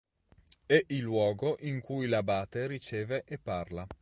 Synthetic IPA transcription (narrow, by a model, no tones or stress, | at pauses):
ɛʔilːwɔːɡoʔiŋkujlabaːt̪eɾit͡ʃeːveʔepːarla